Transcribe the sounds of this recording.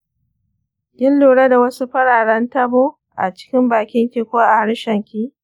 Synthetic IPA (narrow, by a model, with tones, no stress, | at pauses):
ɡʲɪ˦nluː˨ɽa˦da˨wɐ˦su˦ɸɐ˦ɽaː˨ɽɐ˦ntɐ˦boː˦ | ʔa̰˨t͡ʃɪ̥˦kʲɪ˦mbaː˨kʲɪ˦ŋkʲiː˦kʷoː˦ʔa˨ha˦ɽʃɐ˨ŋkʲiː˦